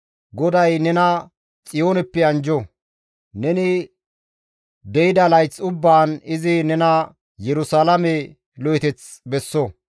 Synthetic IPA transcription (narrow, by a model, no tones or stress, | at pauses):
ɡɔd̪ɐjnɛnɐ | t͡sʼɪjo̞ːnɛpːɛɐnd͡ʒɔ | nɛnɪ | d̪ɛjɪd̪ɐlɐjt͡sːʊbːaːnɪzɪnɛnɐ | jɛɾʊsaːlɐmɛ | lɔjɛt̪ɛt͡s | bɛsːo